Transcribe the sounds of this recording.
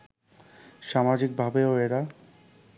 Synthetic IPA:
ʃamad͡ʑik̚bʱabeoeɾa

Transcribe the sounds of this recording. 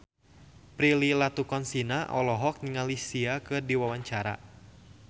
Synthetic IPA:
pɾililat̪ukɔnsinaʔɔlɔɦɔk̚niŋalisiakɨrdiwawaɲt͡ʃaɾa̰

